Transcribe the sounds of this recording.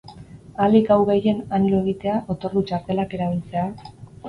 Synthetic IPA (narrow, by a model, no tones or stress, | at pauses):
alikawɣeje̞nanloe̞ɣ̞it̪e̞aʔot̪o̞rut͡ʃaɾt̪e̞lake̞ɾaβ̞ilt͡se̞a